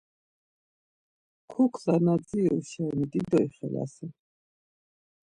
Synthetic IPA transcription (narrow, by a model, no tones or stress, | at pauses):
kʰukʰlanad͡ziɔuʃanid̪id̪ɔiχɛ̰la̰si